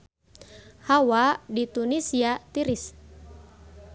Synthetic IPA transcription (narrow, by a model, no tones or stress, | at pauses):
hawadit̪unisiat̪iɾis